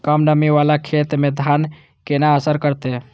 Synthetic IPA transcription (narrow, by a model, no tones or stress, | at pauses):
kəmɖəmiʋalakʰet̪med̪ʱan | kenaəsəɾkəɾt̪e